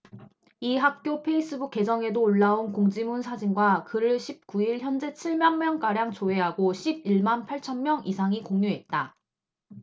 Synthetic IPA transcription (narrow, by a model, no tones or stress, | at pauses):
iɦak̚k͈jopʰe̞is͈ɯbuk͈ːe̞d͡ʑʌŋe̞doːɭːaonkoŋd͡ʑimunsʰad͡ʑinɡwakɯɾɯɭɕʰip̚k͈uiɭçjʌnd͡ʑe̞t͡ɕʰiɭmjʌnmjʌŋk͈aɾjaŋt͡ɕoɦe̞ɦaɡoɕʰib̚iɭmanpʰaɭt͡ɕʰʌnmjʌŋisʰaŋikoŋɲuɦe̞t̚t͈a